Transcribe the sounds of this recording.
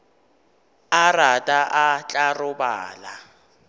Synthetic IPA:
aratʼaʔat͡ɬʼarʊba̰ːla

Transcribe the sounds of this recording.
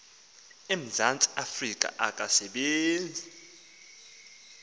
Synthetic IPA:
em̩zʱant͡sʼiafrikʼa̰ʔakʼasɛɓeːnd͡zʱi

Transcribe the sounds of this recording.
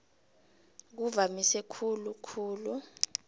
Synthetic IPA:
k̬uvamisɛkʰulukʰuːlu

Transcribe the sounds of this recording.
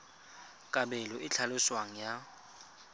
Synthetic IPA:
kʼabɛlɔʔɪt͡ɬʰalʊswaŋ̩ja

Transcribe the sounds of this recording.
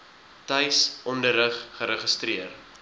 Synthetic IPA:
tɐjsɔndəɾəχːəɾəχəstriər

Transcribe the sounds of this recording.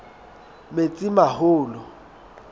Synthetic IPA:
met͡sʼɪmahʊːlɔ

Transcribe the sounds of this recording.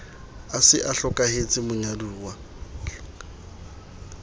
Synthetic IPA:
asɪ̰ʔaɬɔkʼahet͡sʼɪmʊɲaduːwa

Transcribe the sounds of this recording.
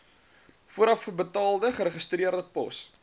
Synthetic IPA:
fuəɾɐfəbətɑːlˠdəχəɾəχəst̪riərdəpɔ̰s

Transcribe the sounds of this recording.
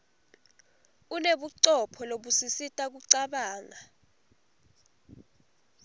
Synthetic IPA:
uneɓuǀɔpʰɔloɓusisitʼak̬uǀaɓaːŋa

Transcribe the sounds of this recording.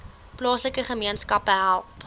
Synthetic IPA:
plɑːsləkəχəmiənskɐpəɦælˠp

